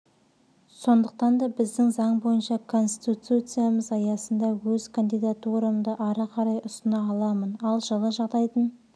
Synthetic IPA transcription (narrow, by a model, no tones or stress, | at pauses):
so̞nd̪əq̚t̪ɑnd̪ɑbɪzd̪ɪŋzɑɴbo̞jənʃɑkʰo̞nst̪i̥t̪ut̪ut̪sɨjaməzɑjɑsənd̪ɑwɵzkʰand̪ijd̪at̪uɾəmd̪əʔɑɾɑqʰɑɾɑjʊst̪ənɑːlˠɑmənɑlˠʒəlˠəʒɑʁd̪ɑjt̪ən